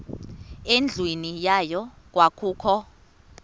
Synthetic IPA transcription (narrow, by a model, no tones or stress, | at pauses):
end͡ɮʱwenijajɔ | k̬ʼwakʰuːkʰɔ